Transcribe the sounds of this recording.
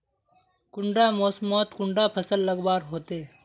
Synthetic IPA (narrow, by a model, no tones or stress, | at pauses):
kʊɳɖaːmoːsmɔːt̪kʊɳɖapʰəsəlːəɡbaːɾɦoːt̪eː